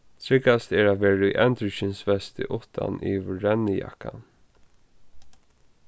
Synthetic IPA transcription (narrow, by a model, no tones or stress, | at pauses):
t̪ʰɾɪkast̪ɛːɹat̪ʋeːɾaḭʔɛnt̪ɾɪʃɪnsvɛst̪ɪ̰ʔʊt̪ʰa̰nʔḭvɹɛnːɪja̰kːa̰n